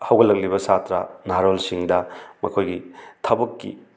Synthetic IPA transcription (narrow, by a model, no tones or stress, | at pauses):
hɐwɡɐlɐŋlibɐsatɾɐ̰naɾolsiŋdɐmɐkʰojɡitʰɐbɐkːḭ